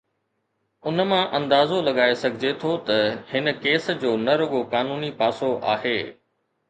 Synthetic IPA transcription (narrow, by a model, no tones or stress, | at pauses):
ʊnəmãʔɐ̃nd̪aːzolɐɠaːesɐɡʱɪd͡ʑet̪ʰot̪ɐhɪnə̆keːsd͡ʑoːnɐɾʊɠokaːnuːnipaːsoʔa̰ːɦeː